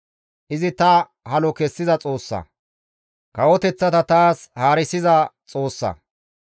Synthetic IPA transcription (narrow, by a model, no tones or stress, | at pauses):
ʔɪzɪt̪ɐ | hɐlɔkɛsːɪzɐt͡sʼo̞ːsːɐ̰ | kɐwɔt̪ɛt͡sːɐt̪ɐt̪aːshaːɾɪsɪzɐt͡sʼo̞ːsːɐ̰